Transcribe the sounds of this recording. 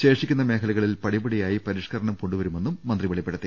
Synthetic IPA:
ɕe̞ːʂikʲːunːɐme̞ːkʰɐlɐɣɐɭilpɐɽibɐɽijaːjipɐɾiːʂkɐɾɐɳɐmkoɳɖuʋɐɾume̞nːumːɐnd̪ribɐɭipːeɽɐt̪ːɨ

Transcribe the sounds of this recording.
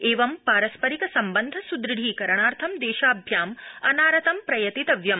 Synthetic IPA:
eːʋɐmpaːɾɐspɐɾikɐsɐmbɐnd̪ʱɐsud̪ɾɨɽʱiːkɐɾɐɳaːɾt̪ʰɐmd̪eːʃaːbʱjaːmɐnaːɾɐt̪ɐmpɾɐjɐt̪it̪ɐʋjɐm

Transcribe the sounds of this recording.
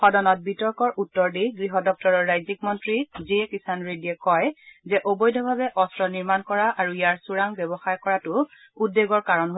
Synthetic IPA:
xɔdɔnɔt̚bitɔɹkɔɹʔutːɔɹdiɡɹiɦɔdɔk̚tɔɹɔɹːajzik̚mɔntɹiziɛkisanɹediɛkɔjzɛʔobojdʱɔbʱabɛʔɔstɹɔniɹmankɔɹaʔaɹuijaɹsuɹaŋbɛbɔxaɹkɔɹatʊ | udːeɡɔɹkaɹɔnɦo

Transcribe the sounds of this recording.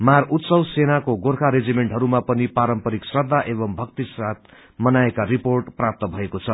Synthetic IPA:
marut̪sʌwsenakoɡorkʰaɾed͡zimeɳʈɦʌɾumapʌnipaɾʌmpʌɾiksrʌd̪ʱːaʔebʌmbʱʌkt̪israt̪̚ | mʌnaekaɾiporʈprap̚t̪ʌbʱʌekot͡sʰʌ

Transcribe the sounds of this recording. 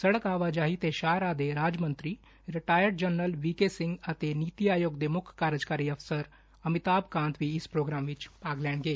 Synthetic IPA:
səɽəkaːʋaːd͡ʒaːɦiːt̪eːʃaːɾaːd̪eːɾaːd͡ʒmənt̪ɾiː | ɾɪʈaːjəɾɖ̚d͡ʒənəlʋiːkeːsɪŋɡət̪eːniːt̪iaːjoːɡd̪eːmʊkʰːaɾəd͡ʒkaːɾiːəfsəɾ | əmɪt̪aːbkãːnt̪ʋiːɪspɾoːɡɾaːmʋɪt͡ʃpaːɡlɛːɳ̃ɡeː

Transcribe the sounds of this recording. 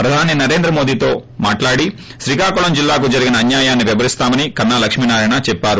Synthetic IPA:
pɾɐd̪ʱaːninɐɾe̞ːnd̪ɾɐmo̞ːd̪iːt̪o̞ːmaːʈlaːɽi | ʃɾikaːkuɭɐmd͡ʒilːaːkud͡ʒɐɾiɡinɐːnjaːjaːnːiʋibɐɾist̪aːmɐnikɐnːaːlɐkʂmiːnaːɾɐjnat͡ʃɛpːaːɾu

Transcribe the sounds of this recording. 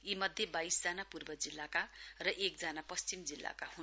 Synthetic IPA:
imʌd̪ʱjebajsd͡zanapurbʌd͡zilːakarʌʔek̚d͡zanapʌst͡ɕimd͡zilːa̰kahun

